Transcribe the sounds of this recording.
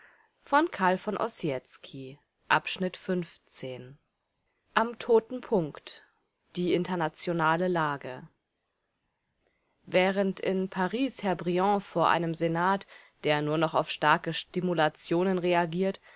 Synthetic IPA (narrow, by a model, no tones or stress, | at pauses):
fɔnkʰaɐlfɔnʔɔ̰sjɛt͡skʰi | ʔa̰pʃnɪtfʏnft͡seːn | ʔamtʰoːtn̩pʰʊŋkt | d̥iːʔɪntɐnat͡sjonaːləlaːɡə | vɛːʁəntʔɪ̰npʰaʁiːshɛɐbʁiɔ̃foːɐʔa̰ɪnəmzenaːtd̥eːɐnuːɐnɔχa̰ʊfʃtaɐkəʃtimulat͡sjoːnənʁeaɡiːɐt